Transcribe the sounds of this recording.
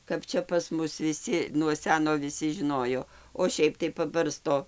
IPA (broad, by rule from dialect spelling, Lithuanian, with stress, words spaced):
kɐp ˈt͡ʃʲɛ pɐs ˈmʊs ʋʲɪˈsʲɪ nuɔ ˈsʲæːnoː ʋʲɪˈsʲɪ ʒʲɪˈnoːjoː oː ˈʃʲɛɪp tɐɪ pɐˈbɐrstoː